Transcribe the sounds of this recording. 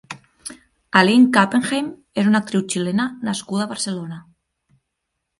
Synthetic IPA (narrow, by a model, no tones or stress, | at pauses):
aliŋkapeŋxem | esunak̚t̪ɾiwt͡ʃilenanaskuðaβaɾselona